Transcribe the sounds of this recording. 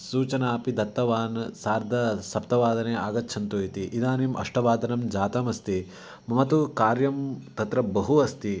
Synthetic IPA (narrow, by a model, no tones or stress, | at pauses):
suːt͡ʃɐnaːpid̪ɐt̪ːɐʋaːnsaːɾd̪ʱɐsɐp̚t̪ɐʋaːd̪ɐneːaːɡɐtːʃʰɐnt̪uit̪iʔid̪aːnimɐ̰ʂʈɐʋaːd̪ʱɐnɐmd͡ʒaːt̪ɐmɐst̪i | mɐmɐt̪ukaːɾjɐmt̪ɐt̪ɾɐbɐɦuɐst̪i